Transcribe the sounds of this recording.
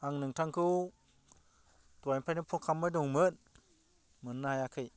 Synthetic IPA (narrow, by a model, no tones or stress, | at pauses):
aŋnɯŋtʰaŋkʰɯw | twajmpʰajnɯpʰɔkʰamɯjdɔŋmɯn | mɯnːahajakʰɯj